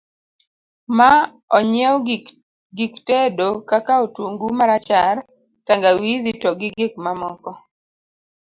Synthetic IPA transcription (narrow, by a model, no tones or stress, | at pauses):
ma | ɔɲɛw | ɡiktɛdokakaotwoŋɡumaɾat͡ʃar | taŋɡawizitɔɡɪɡɪk̚mamɔkɔ